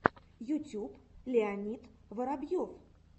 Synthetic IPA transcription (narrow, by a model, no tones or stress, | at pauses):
jʊtʲuplʲɪanʲit̪vəɾabjof